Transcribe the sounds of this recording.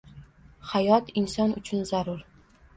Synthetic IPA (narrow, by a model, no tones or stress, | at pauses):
hajɒt̪ɪnsɒnʊt͡ʃʰʊnzaɾʊɾ